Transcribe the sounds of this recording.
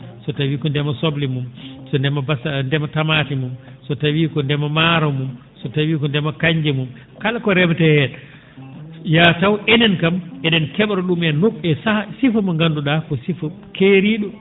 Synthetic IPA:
sɔtawiːkɔndɛmasoblimumsɔndɛmabasndɛmatamaːtimumsɔtawiːkɔndɛmamaɾɔmum | sɔtawiːkɔndɛmakaɲd͡ʒɛmum | kalakɔɾɛmtɛhɛta | jatawʔɛnɛnkamʔɛnɛnkɛɓɾɔɗumɛnokɛsahsifamaŋɡanduɗakɔsifa | kʰeːɾiɗɔ

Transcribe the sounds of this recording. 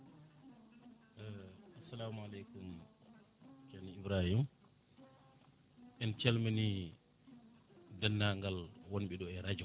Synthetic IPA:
asalaːmualekum | t͡ʃaniibɾahim | ʔɛnt͡ʃɛlmani | danːaŋɡalwonɓɛɗɔɛɾad͡ʒɔ

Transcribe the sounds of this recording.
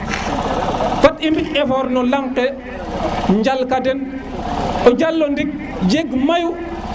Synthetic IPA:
fatʔimbiɛfɔɾnɔlaŋkɛ | ɲd͡ʒalkadɛn | ʔɔd͡ʒalːɔndiɡ̚ | d͡ʒeɡmaju

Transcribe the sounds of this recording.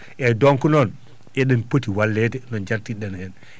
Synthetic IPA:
ʔɛdɔŋkunɔn | ɛɗɛnpotiwalːɛtɛnɔnd͡ʒaɾtiɗɛnhɛn

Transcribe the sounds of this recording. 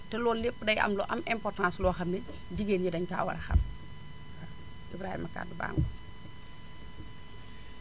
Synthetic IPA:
tɛlɔːlepːədɐjɐ̰mlɔʔɐmɛmpɔrtãːslɔːxɐmːɛ | ɟiɡeːnɲidɐɲka̰ːwɐ̰ɾɐxɐ̰m | ʔibɾaːhḭmɐka̰ːduba̰ːŋɡu

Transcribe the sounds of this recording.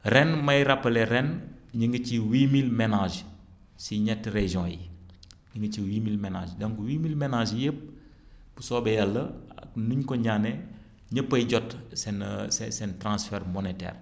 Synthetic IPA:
rɛnmɐjɾɐpːɐlɛɾɛnɲəŋɡət͡ʃiwiːmilmenaʒ | siɲɛtːɾeʒjɔ̃ːjḭɲəŋɡəciwiːmilmɛna̰ːd͡ʒdɐŋkuwimilmenaʒjəp̚ | b̥usɔbɛjɐlːɐknuɲkɔɲaːnɛ | ɲəpːɐjɟɔtsɛnsɛsɛntɾãsfɛɾmɔnetɛ̰ːr

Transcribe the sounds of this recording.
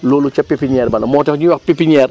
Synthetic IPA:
loːlut͡ʃɐpːipiɲɛːɾbɐlɐmɔːtɛkɲiwɐk̚pipiɲɛːr

